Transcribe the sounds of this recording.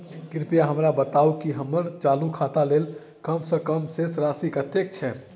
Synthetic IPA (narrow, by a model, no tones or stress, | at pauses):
kɪɾpijaɦəmɾabət̪aːukiɦəməɾt͡ʃaːlukʰat̪aleːl | kəmsəkəmsesɾasikət̪ek̚t͡ʃʰɛ